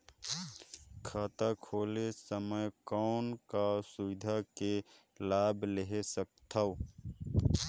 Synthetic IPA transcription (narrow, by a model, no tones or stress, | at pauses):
kʰaːt̪akʰoːlesəməjkɔːnkasʊʋɪd̪ʱake | laːbleɦesək̚t̪ʰao